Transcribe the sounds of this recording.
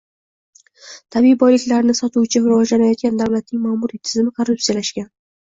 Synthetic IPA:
t̪ʰabijbɒjlɪkʲlaɾnɪsɒt̪uwt͡ʃʰɪɾɪvɒd͡ʒlanajɒt̪̚kʲand̪awlat̪̚nɪŋmaːmuɾit̪ʰɪzmɪkʰorːupsijalaʃkʲan

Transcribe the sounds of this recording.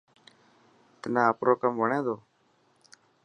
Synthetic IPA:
t̪ənãːəpɾoːkəmʋəɳẽːd̪oː

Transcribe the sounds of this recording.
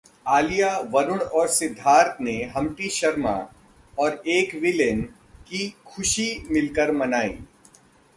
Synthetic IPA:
aːlijaʋɐɾʊɽ̃ɔːɾsɪd̪ʱːaːɾt̪ʰneɦɐmʈiʃɐɾma̰ | ɔːɾeːkʋɪlən | kikʰʊʃimɪlkəɾmɐnaːḭː

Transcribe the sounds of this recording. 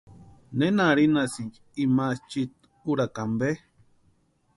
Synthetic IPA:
nenaɾinasint͡ʃ | imast͡ʃit̪̚ | uɾakambe

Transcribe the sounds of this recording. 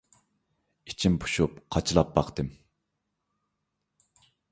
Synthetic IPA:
it͡ʃʰimpʰu̥ʃupqʰɑt͡ʃʰɨlˠɑpːɑqt̪ɨm

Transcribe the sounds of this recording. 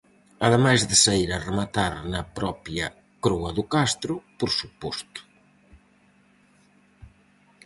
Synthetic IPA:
ɐðemajzðɪsaiɾɐremat̪aɾnɐpɾɔpjɐ | kɾɔɐðʊkast̪ɾʊpoɾsupɔst̪ʊ̥

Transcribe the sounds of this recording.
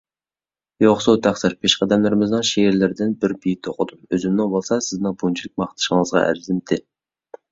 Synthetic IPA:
joχsut̪ʰæχsɪɾpʰeʃqæd̪ɛmlˠɪɾɪmɪznɨŋʃeːɾlɪɾd̪ɪnbɪɾbijt̪ʰoqʊd̪umøzymnɪŋbolˠsɑsɪznɪŋbunt͡ʃʰilɪk̚ʲmɑχt̪ʰɨ̥ʃəŋəzʁɑ̰ʔæ̰ɾzɪmt̪ʰɪ

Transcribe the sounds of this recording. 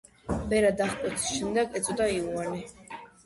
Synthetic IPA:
bɛɾad̪aχpʼut̪ʰi̥sʃɛmd̪ɛɡɛt͡sʼɔd̪aiwani

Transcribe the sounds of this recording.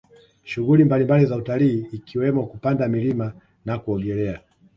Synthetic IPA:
ʃuɣulimbalimbalizautaliːkʰiwɛmɔkupandamilima | nakuɔɠɛlɛa

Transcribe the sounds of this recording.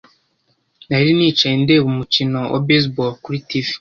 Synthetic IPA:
naiɾinit͡ʃandeβumucinoo̰bes̬bolkuɾitivi̥

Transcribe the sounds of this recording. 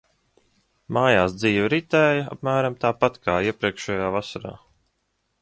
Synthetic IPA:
maːjaːsd̪ziːvɾit̪ɛːja̰pmæːɾamt̪aːpat̪kaːiɛpɾiɛkʃɛjaːvasaɾa̰ː

